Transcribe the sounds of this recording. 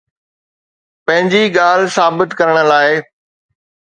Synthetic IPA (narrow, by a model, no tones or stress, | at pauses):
pɐ̃ɦɪ̃ɲd͡ʑiɠaːl̤saːbɪt̪kɐɾəɽ̃ə̆laːɪ